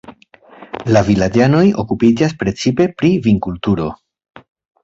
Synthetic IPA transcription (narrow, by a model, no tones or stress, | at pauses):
lavilad͡ʒano̞jo̞kupid͡ʒas̬pɾe̞t͡sipe̞pɾiviŋkultuɾo̞